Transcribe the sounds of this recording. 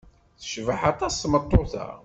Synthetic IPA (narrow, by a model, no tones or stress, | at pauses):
θə̥ʃvaħat̪ˤɑsːmət̪ˤːoθæ̰